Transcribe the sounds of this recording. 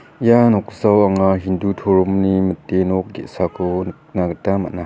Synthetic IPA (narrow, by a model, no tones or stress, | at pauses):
janɔk̚zawaŋaɦindutʰoɾumnimətːenɔk̚ɡḛʔsakʰon | naɡtama̰na